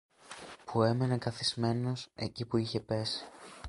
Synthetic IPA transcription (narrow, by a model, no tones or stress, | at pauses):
pue̞me̞ne̞kɐθizme̞no̞se̞̰cipuiçe̞pe̞si̥